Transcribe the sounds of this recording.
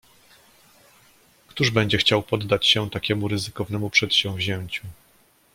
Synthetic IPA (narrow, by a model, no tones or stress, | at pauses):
kt̪uʐbɛɲd͡ʑɛxt͡ɕawpɔd̪ːat͡ɕɕɛt̪akʲɛmuɾɘzɘkɔvnɛmupʂɛt̪ɕɛ̃vʑɛɲt͡ɕu